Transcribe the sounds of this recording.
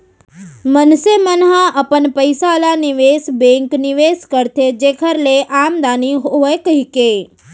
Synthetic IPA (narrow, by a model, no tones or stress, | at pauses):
mənsemənɦãʔəpənpəɪsalanɪʋeːsbẽːŋknɪʋeːskəɾt̪ʰed͡ʒeːkʰəɾleʔaːmd̪aːniɦoːekəɦikeː